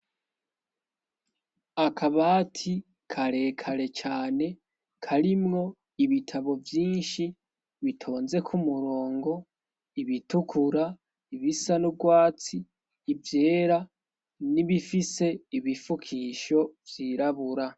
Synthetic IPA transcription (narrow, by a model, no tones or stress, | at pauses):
akʰaβaːtʰi | kʰaɾe̞kʰaɾe̞t͡ʃaːne̞ | kʰaɾimŋo̞ | iβitʰaβo̞vjiːnʃi | βitʰo̞ːnze̞kʰumuɾo̞ːŋɡo̞ | iβitukʰuɾa | iβisanub̚ɡwaːt͡siː | vje̞ːɾa | niβifise̞iβifukʰiʃo̞vjiɾaβuɾa